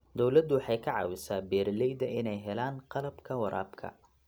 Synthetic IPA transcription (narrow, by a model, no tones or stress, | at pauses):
d̪ɔwlɐd̪ʊwɑħɑjkʰɐʕɑ̰ːwɪsaːbɛːɾlɛjd̪ɐʔɪnɛjɦɛlaːnqɑlɐbkʰɐwɑɾʔa̰ːbkʰɐ̰